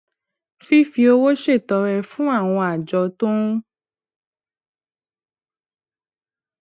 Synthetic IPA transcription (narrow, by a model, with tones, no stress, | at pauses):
fi˦fi˧o˧wo˦ʃe˦˨tɔ˨˧ɾɛ˧fũ˦a˦˨w̃ɔ̃˧a˨d͡ʒɔ˨˧˦tõ˦